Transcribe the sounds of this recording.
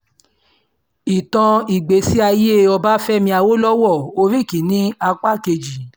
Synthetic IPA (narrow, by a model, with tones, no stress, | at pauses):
i˨tɔ̃˧i˨ɡ͡be˨si˦a˧je˦˨ɔ˧ba˦fɛ˦mĩ˧a˧wo˦lɔ˦wɔ˦˨o˧ɾi˦˨ki˨˦nĩ˦a˧k͡pa˦˨ke˧d͡ʒi˨